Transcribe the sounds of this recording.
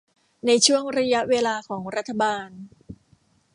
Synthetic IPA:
na˧jt͡ɕʰu˥˩əŋɾa˧ja˦˥ʔweː˧laː˧kʰɔː˩˦ŋɾa˦˥t̪ʰːa˧baː˧n

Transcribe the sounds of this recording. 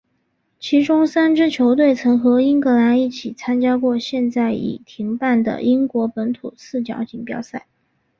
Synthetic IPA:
t͡ɕʰi˧˥ʈ͡ʂʊ˥ŋsa˥nʈ͡ʂɻ̩˥t͡ɕʰjo˧˥ʊt̪̬we˥˩ɪt͡sʰɤ˧˥ŋxɤ˧˥i˥ŋkɤ˧˥la˧˥ni˥˩t͡ɕʰi˨˩t͡sʰa˥nt͡ɕja˥kwɔ˥˧ɕjɛ˥˧nt͡sa˥˩ɪḭ˨˩t̪ʰi˧˥ŋpa˥˩nd̪ə̰˩ʔi˥ŋkwɔ˧˥pə˧˥nt̪ʰṵ˨˩sɹ̩˥˩t͡ɕjɑ̰˨˥ʊt͡ɕi˧˥ŋpjɑ̰˥ʊsa˥˩ɪ

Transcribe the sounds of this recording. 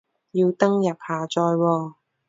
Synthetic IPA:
jiː˧wt̪ɐ˥ŋjɐ˨p̚haː˨˩t͡sɔː˧jwɔː˧

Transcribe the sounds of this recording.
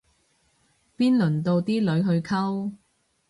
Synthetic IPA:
piː˥nlɵ˨˩nt̪o˧wt̪iː˥lɵ˨˧ɥɦɵ˧ɥkʰɐ˥w

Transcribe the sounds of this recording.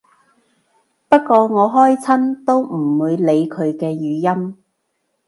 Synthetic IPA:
pɐ˥t̚kɔː˧ŋɔː˨˧ɦɔː˥jt͡sʰɐ˥nt̪o˥wm̩˨˩wuː˨˧jle˨˧jkʰɵ˨˧ɥkɛː˧jyː˨˧jɐ˥m

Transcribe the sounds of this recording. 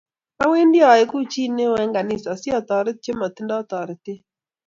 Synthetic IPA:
a˦we˦ndjɔ˨ɪ˨˦ku˦t͡ʃi˦ne˦wɛ˦ŋɡa˨ni˦˨sɔ˨sjɔ˦˨t̪ɔ˨ɾɪ˦t̚t͡ʃe˦mɔ˨t̪ɪ˦ndɔ˦t̪ɔ˨ɾɪ˨tɪ˦

